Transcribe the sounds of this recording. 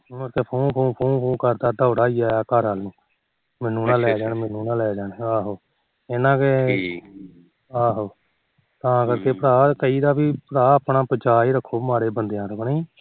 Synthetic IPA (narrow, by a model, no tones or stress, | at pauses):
oːəɾkeːpʰõːpʰoːpʰoːnpʰũːkəɾd̪aːd̪aːʊɽaːiːaːaːkəɾɦalnũː | mɛːnũːnãːlɛːd͡ʒaːnːmɛnũːnãːlɛːd͡ʒaːneaːɦoː | eːnãːke | aːɦoː | t̪ãːkəɾkeːpəɾaːkəiːd̪aːbiːpəɾaːəpɳaːpət͡ʃaːiːɾəkʰːoːmaːɾeːbənd̪ejãːɾəkneiː